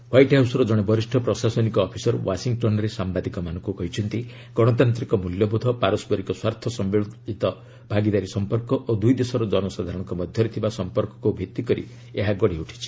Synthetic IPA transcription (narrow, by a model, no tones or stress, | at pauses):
wajʈɦawsɔɾɔd͡ʒɔɽ̃ebɔɾisʈʰɔpɾɔsasɔnikɔːpʰisɔɾwasiŋɡʈɔnɔɾesambad̪ikɔmanɔ̃ŋkukɔɦit͡ʃʰɔnt̪i | ɡ̥ɔɽ̃ɔt̪ant̪ɾikɔmuljɔbud̪ʱɔpaɾɔsbɔɾikɔswaɾt̪ʰɔsɔmbiɭɔit̪ɔ | b̥ʱaɡid̪aɾisɔmpɔɾkɔʔod̪ujd̪esɔɾɔd͡ʒɔnɔsad̪ʱaɾɔɽ̃ɔŋkɔmɔd̪ʱjɔɾet̪ʰibasɔmpɔɾkɔ̥kubʱikt̪ːikɔɾḭ | eɦaɡɔɽiuʈʰi̥t͡ʃʰi̥